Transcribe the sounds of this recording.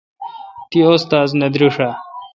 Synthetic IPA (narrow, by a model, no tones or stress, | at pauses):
t̪iost̪aːznɐd̪ɾuʂa